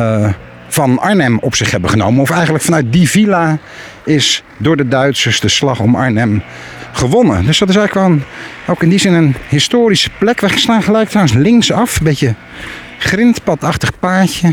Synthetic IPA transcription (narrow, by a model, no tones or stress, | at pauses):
v̥ɑnɑ̰ɹnɛmɔpsɪχɦɛbəχəno̰wmənɔfɛjχəntləkfɑnœɥt̚divila | ɪs | dʊːɹdədœɥtsəɹsdəslɑχɔmɑ̰ɹnɛm | χəʋɔnə̰dɵsdɑtɪsɛjələkʋɛlˠən | owkɪndizɪnənɦɪstoːɾisə̥plɛkʋɛχəstaːnχəlɛjk̚trwənslɪŋksɑfəbejtə | χrɪntpɑtɑχtəχpaːɹtə